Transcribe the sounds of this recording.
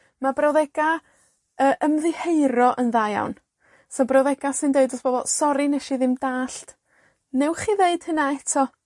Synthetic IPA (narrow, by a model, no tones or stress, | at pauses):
mabrawðɛɡ̥a | əːʔəmðɪheɨɾɔʔənðaja̰wn | sɔbrawðɛɡasɪndeɨdɔsb̥ɔːbɔlˠsɔɾinɛʃiðɪmdaːɬt | nɛwχiːðeɨd̥hənaɛtʰɔ